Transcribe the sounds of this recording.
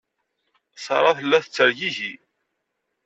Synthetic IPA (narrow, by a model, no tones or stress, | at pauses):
sɑɾˤɑθəlːæθət͡sːəɾʝiʝi